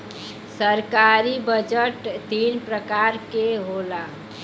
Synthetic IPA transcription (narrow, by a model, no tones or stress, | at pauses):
səɾkaɾibəd͡ʒəʈt̪inpɾəkaɾkeɦola